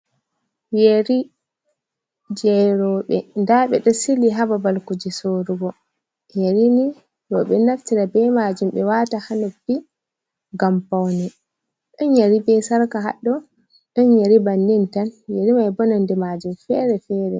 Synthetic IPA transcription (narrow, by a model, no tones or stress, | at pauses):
jeɾi | d͡ʒɛɾɔɓɛndaɓɛɗɔsiliɦababalkud͡ʒisoɾuɡɔ | jeɾini | ɾɔɓɛnaftiɾabɛmad͡ʒumɓɛwatahanobi | ɡampawnɛ | ɗɔɲjeɾibɛsaɾkaɦa̰ɗːɔ | ɗɔɲjeɾibandintanjeɾimajbɔnandɛmad͡ʒumfɛɾɛfɛːɾɛ